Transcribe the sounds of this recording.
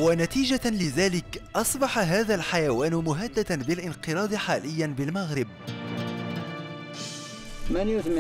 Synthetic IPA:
wanat̪iːʒalɪðaːlɪkʔɑsˤbɑħaɦaːðalħajawaːnmʊɦad̪ːad̪anbɪlʔɪnqɨɾɑːd̪ˤɪħaːlɪjːanbɪlmaɣɾɪb̚ | manjʊðm

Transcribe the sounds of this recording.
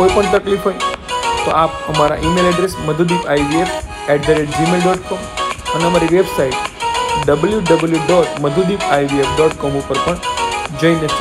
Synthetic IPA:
kojipəɳt̪əklifɦoit̪oʔapəmaɾa̰ʔimelɛɖɾesməd̪ʱud̪ifʰajʋief | ɛʈ̚dəɾeʈ̚d͡ʒimelɖɔʈkɔməneəmaɾiʋebsaiʈɖəbəljuɖəbəljuɖɔʈməd̪ʱud̪ipʰajʋiefɖɔʈkɔmupəɾpəɳd͡ʒəineʃ

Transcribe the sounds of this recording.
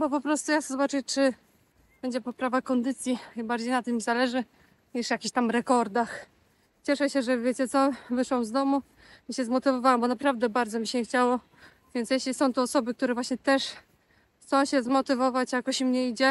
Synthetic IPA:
bɔpɔpɾɔst̪ujaszɔbat͡ʂɨt͡ʂɘ | b̥ɛɲd͡ʑɛpɔpɾavakɔnd̪ɘt̪sʲjibaɾd͡ʑejnat̪ɘmːʲizalɛʐɘ | ɲiʂjakʲiɕt̪amɾɛkɔɾd̪ax | t͡ɕɛʂɛɕɛʐɛvʲjet͡ɕɛt̪sɔvɘʂwɔmzd̪ɔmu | miɕɛzmɔt̪ɘvɔvawɛmbɔnapɾavd̪ɛbaɾd̪zɔmʲiɕɛxt͡ɕawɔ | vʲjɛnt̪sjɛɕlʲisɔ̃w̃t̪ɔːsɔbɘk̚t̪uɾɛvwaɕɲɛt̪ɛʂ | xt̪sɔ̃w̃ɕɛzmɔt̪ɘvɔvat͡ɕjakɔɕmɲɛid͡ʑɛ

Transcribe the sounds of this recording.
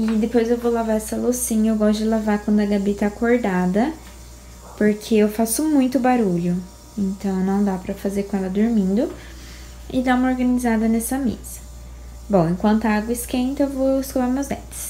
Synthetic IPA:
ɪd̪epojzewvowlavaɾɛsɐlosĩɲɐewɡɔst̪ʊɪd͡ʒɪlavaɾkwɐ̃nd̪ʊɐɡabet̪akoɾd̪ad̪ɐ | poɾkʰeewfasʊmũj̃t̪ʊbaɾuʎʊ | ẽnt̪ɐ̃w̃nɐ̃w̃d̪apɾɐfazeɾkõɛlɐd̪oɾmĩnd̪ʊ | ɪd̪aũmɐoɾɡɐnizad̪ɐnɛsɐmḛz̥ɐ̥ | bõw̃ẽkwɐ̃nt̪ʊaɡwɐɪskẽnt̪ʊewvowɪskolaɾmezbɛt̪ɪ̥s

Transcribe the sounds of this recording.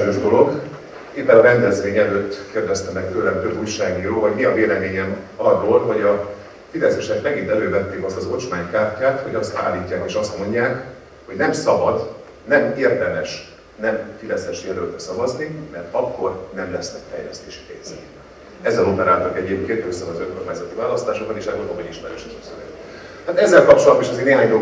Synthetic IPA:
øːʒd̪o̞lo̞ɡ | eːpːɛnɒɾɛnd̪ɛzʋeːɲɛløːt̪ːkeːrd̪ɛst̪ɛmɛkt̪øːlɛmt̪øbuːjʃaːɡniːɾoːvɒɟmiɒveːlɛmeːɲɛmɒɒd̪olɦoɟɒ | fid̪ɛsɛʃɛkmɛɡint̪ɛløːvɛt̪ːeːkɒst̪ɒzo̞t͡ʃmaːɲkaːrcːaːt̪ho̞ɟɒst̪a̰ːlːiːcːaːkeːʃɒst̪mo̞ɲɟaːk | ho̞ɟnɛmsɒbɒd̪ | nɛmeːrd̪ɛmɛʃ | nɛmfid̪ɛsɛʃjɛlølt̪sɒvɒznimɛrt̪ɒkːo̞rnɛmlɛsnɛkfɛ̰jlɛ̰st̪eːʃi̥pḛːɲz̥ɛ | ɛzːɛlopɛɾaːt̪okɛɟepket̪ːøsɒvɒzøŋko̞rmaːɲzɒt̪ivaːlɒst̪aːʃoɡ̚bɒneːʃɛrːoːlɒboɲiʃmɛɾø̰ːʃɛzɒsøvɛ̰ | aːt̪ɛzːɛlkɒp̚t͡ʃolɒd̪iʃɒzeːrneːɦaːɲjo

